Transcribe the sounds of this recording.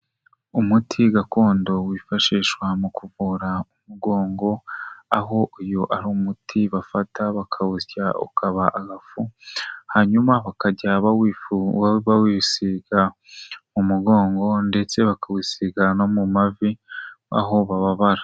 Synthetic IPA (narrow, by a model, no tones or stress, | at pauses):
umutʰiɡako̞ːndo̞wiːfaʃiːʃwamukuvuɾaumuɡo̞ːŋɡo̞aɦo̞ʔujoʔaɾuːmutʰiβafataβakʰaβuçaṵkʰaβaʔaɡafuhaɲumaβakaɟaβawi | βawisiɡa | mumuɡo̞ːŋɡo̞nde̞t͡se̞βakawisiɡano̞mumavia̰ɦo̞βaβaβaɾḁ